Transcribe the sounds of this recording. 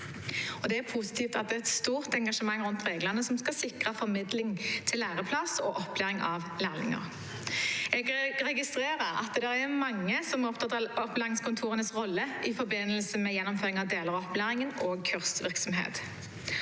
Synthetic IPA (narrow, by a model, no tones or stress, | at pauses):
ɔd̪ɛæɾpʰusɪ̥t̪ʰiːft̪ɑt̪̚d̪ɛːɛt̪st̪uːʁt̪ɛŋɡɑʂəmɑŋːɾʉnt̪ʁeːɡlənəsɔmskɑlsɪkʁəfɔɾmɪd̪lɪŋt̪ʰɪlːæːʁəpʰlɑso̰ːʔɔplæːʁɪŋʔɑʋlæːʁlɪ̰ŋə̰ʁ | ɛɡɾɛɡɪst̪ʁeːʁəɾɑ̰t̪d̪ɛɾɛʁmɑŋːəsɔmɔpd̪ɑd̪ɑɔplæːʁɪŋskʰʊnt̪ʰuːʁənəsʁɔlːəʔɪfɔɾbɪnːəlsəmɛjɛnːɔmføːʁɪŋɑʋd̪eːləʁɔplæːʁɪŋənoːɡ̚kʰʉʁst̪ʋɪʁksɔmɦḛːt̪